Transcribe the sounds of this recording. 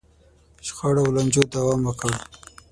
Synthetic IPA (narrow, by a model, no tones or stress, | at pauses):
ʃxɑɽawland͡ʒod̪awɑmwəkəɽ